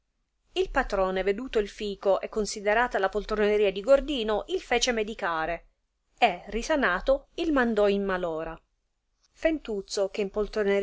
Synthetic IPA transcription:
ilpat̪ɾɔːneved̪uːt̪oilfiːkoʔɛkːonsid̪eɾaːt̪alapolt̪ɾoneɾiːad̪iɡord̪iːnoʔilfeːt͡ʃemed̪ikaːɾe | erːisanaːt̪oilmand̪ɔimːalɔːɾa | fent̪ut̪sok̟eimpolt̪ɾone

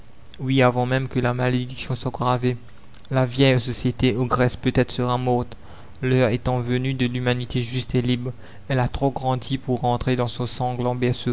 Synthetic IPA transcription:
wiavɑ̃mɛmkəlamaled̪iksjɔ̃swaɡʁave | lavjɛjsɔsjet̪eɔɡʁɛspøt̪ɛt̪χsəʁamɔʁt̪ | lœʁet̪ɑ̃vənyd̪əlymanit̪eʒyst̪elibʁ | ɛlat̪χoɡʁɑ̃d̪ipuʁɑ̃t̪χed̪ɑ̃sɔ̃sɑ̃ɡlɑ̃bɛʁsø

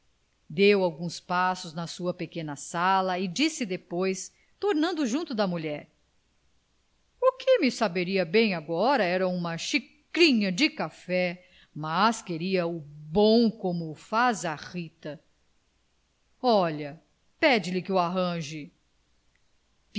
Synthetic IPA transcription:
d̪ewawɡũspasʊznɐsuɐpekẽnɐsalɐɪd͡ʒisɪd̪epojs | t̪oɾnɐ̃nd̪ʊʒũt̪ʊd̪ɐmuʎɛɾ | ʊkʰɪmɪsabeɾiɐbẽj̃aɡɔɾɐɛɾɐũmɐʃi | kɾĩɲɐd͡ʒɪkafɛ | maskeɾiɐʊbõw̃kõmʊfazɐʁit̪ɐ | ɔʎɐ | pɛd͡ʒɪlɪkɪʊaɦɐ̃ʒɪ

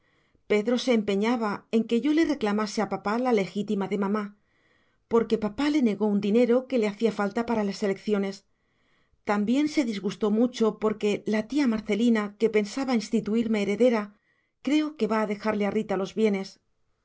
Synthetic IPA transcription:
pe̞ðɾo̞se̞ːmpe̞ɲaβae̞ŋke̞ʝo̞le̞re̞klamase̞apapalale̞xit̪imaðe̞mãma | po̞ɾke̞papale̞ne̞ɣo̞und̪ine̞ɾo̞ke̞le̞aθiafalt̪apaɾalase̞le̞kθjo̞ne̞s | t̪ambje̞nse̞ðizɣust̪o̞mut͡ʃo̞po̞ɾke̞lat̪iamaɾθe̞linake̞pe̞nsaβainst̪it̪uiɾme̞ːɾe̞ðe̞ɾa | kɾe̞o̞ke̞βaːðe̞xaɾle̞arit̪alo̞zβje̞ne̞s

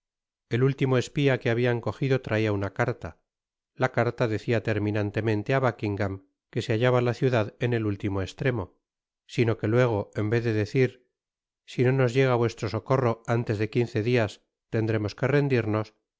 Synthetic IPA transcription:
e̞lult̪imo̞e̞spiakeaβiaŋko̞xiðo̞t̪ɾʔaiaunakaɾt̪a | lakaɾt̪aðe̞θiat̪e̞ɾmĩnant̪e̞mẽ̞nt̪e̞aβakiŋɡam | ke̞seaʝaβalaθjuðaðe̞ne̞lult̪imo̞e̞st̪ɾe̞mo̞ | sino̞ke̞lwe̞ɣ̞o̞e̞mbe̞ððe̞ðe̞θiɾ | sino̞no̞zʝe̞ɣ̞aβwe̞st̪ɾo̞so̞ko̞ro̞ant̪e̞zðe̞kin̟θe̞ðias | t̪e̞nd̪ɾe̞mo̞ske̞re̞nd̪iɾno̞s

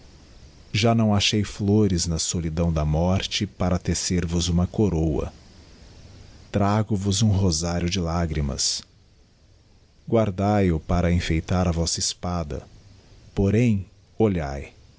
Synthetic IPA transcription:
ʒanɐ̃w̃aʃejfloɾɪznɐsolid̪ɐ̃w̃d̪ɐmɔɾt͡ʃɪpaɾɐt̪eseɾvʊzũmɐkoɾowɐ̰ | t̪ɾaɡʊvʊzũɦozaɾjʊd͡ʒɪlaɡɾimɐ̰s | ɡwaɾd̪ajʊpaɾɐẽfejt̪aɾɐvɔsɐɪspad̪ɐ̰poɾẽj̃ | oʎaj

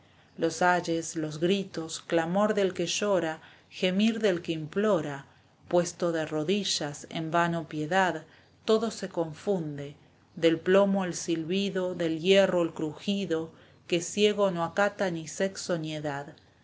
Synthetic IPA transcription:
losaʒeslo̞zɣɾit̪o̞sklamo̞ɾðe̞lkeʃoɾa | xe̞miɾðe̞lkeimplo̞ɾa | pwe̞st̪o̞ðero̞ðiʃasḛmbanopje̞ðað | t̪o̞ðo̞se̞ko̞ɱfund̪e | ðe̞lplo̞moelsilβiðo̞ðe̞ljero̞elkɾuxiðo̞ | ke̞sje̞ɣ̞o̞noakat̪aniseksonjeðað

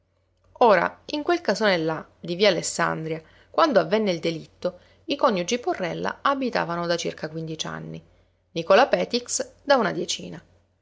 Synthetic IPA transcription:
oːɾa̰iŋkwelkasonelːa | d̪iviaːlesːa̰nd̪ɾja | kwand̪oavːenːeild̪elit̪ːo | ikɔɲːud͡ʒiporːɛlːa̰abit̪a̰ːvanod̪at͡ʃḭrkakwind̪it͡ʃa̰nːi | nikɔlapɛːt̪iksd̪aunad̪jet͡ʃḭːna

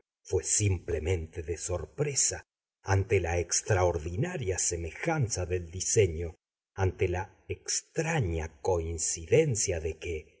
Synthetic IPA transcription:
fwesimplemẽ̞nt̪eðeso̞ɾpɾesa | ant̪elaekst̪ɾaoɾðinaɾjaseme̞xansaðe̞ld̪ise̞ɲo̞ | ant̪ela | ekst̪ɾaɲako̞insiðensjaðeke

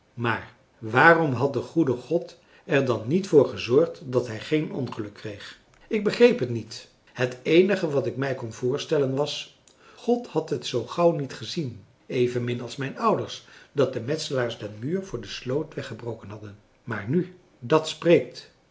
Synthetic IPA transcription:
maːɹ | ʋaːrɔmɦɑt̚dəχudəχɔt | ɛɹdɑnːitfʊːɹχəzɔɹχtdɑtɦɛjχejnʔɔ̰nχəlɵkʰːrejχ | ɪɡ̚bəχrejpɦətnit | hətejnəχəʋɑtɪk̚mɛjkɔnvʊːɹstɛlənʋɑs | χɔthɑtɦətsowχɑwnitχəzin | ejvənmɪnɑlˠsmɛjnʌwdəɹsdɑt̚dəmɛtsəlaːɹsdɛnmyːɹvʊːɹdəslowtʋɛχəbrowkənɦɑdən | maːɹny | dɑtsprejk̚t

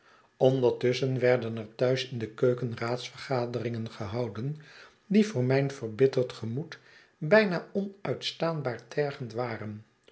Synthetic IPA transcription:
ʔɔndəɹtɵsənʋɛɹdənɛɹtœɥsɪndəkøɥkənraːtsfəɹχaːdərɪŋənχəɦɑwdən | divʊːɹmɛjnv̥əɹbɪtəlˠtχəmut | bɛjnaːɔnœɥtstaːnbaːɹtʰɛɹχəntʋaːrən

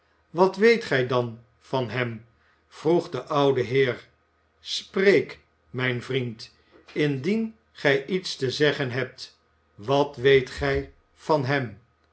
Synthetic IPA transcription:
ʋɑtʋejtχɛjdɑn | fɑnɦɛm | v̥ruχdəʔɑwdəɦɪːɹ | sprejk | mɛjnvrint | ɪndin | χɛjitstəzɛχənɦɛp̚t | ʋɑtʋejtχɛj | v̥ɑnɦɛm

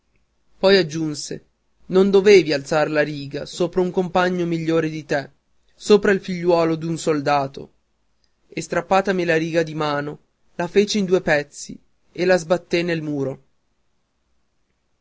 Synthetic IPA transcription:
pɔjad͡ʒːunse | nond̪oveːvialt̪saɾelaɾiːɡasoːpɾauŋkompaɲːomiʎːoːɾed̪it̪e | soːpɾailfiʎːwɔːlod̪unsold̪aːt̪o̰ | est̪ɾapːaːt̪amilaɾiːɡad̪imaːno | lafeːt͡ʃeind̪uːepɛt̪sḭ | elazbat̪ːenelmuːɾo

